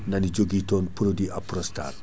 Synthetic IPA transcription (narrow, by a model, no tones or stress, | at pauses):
nɐnid͡ʒoɡitɔːnpuɾodiʔɐpɾɔsta̰r